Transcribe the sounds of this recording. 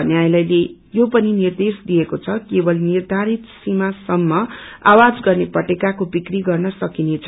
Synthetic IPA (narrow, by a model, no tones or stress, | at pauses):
ʌneajlʌjlejopʌninird̪esd̪iekot͡sʰʌkebʌlnird̪ʱaɾit̪simasʌmːʌa̰wad͡zɡʌrnepʌʈekakobikriɡʌrnʌsʌkinet͡sʰ